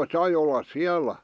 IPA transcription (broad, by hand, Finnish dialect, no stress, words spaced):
sɑi olːɑs siælˑæ